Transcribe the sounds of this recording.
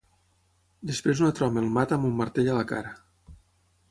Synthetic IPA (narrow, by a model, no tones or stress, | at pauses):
d̪espɾezunət̪ɾɔmelˠmat̪əamumːaɾt̪eʎalaka̰ɾə